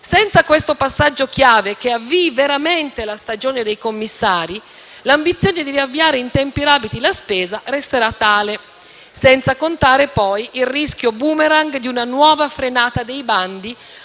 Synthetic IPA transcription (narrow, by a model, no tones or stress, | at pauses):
sɛnt̪sakwest̪opasːad͡ʒːokjaːvek̟eavːiveɾament̪elast̪ad͡ʒoːned̪ejkomːisːaːɾi | lambit̪sːjoːned̪iɾiavːiaːɾeint̪ɛmpiɾaːbit̪ilaspɛːzarɛst̪eɾat̪ːaːle | sɛnt̪sakont̪aːɾepɔjilrisk̟jobumeɾaŋɡd̪iunanwɔːvafɾenaːt̪ad̪ejband̪i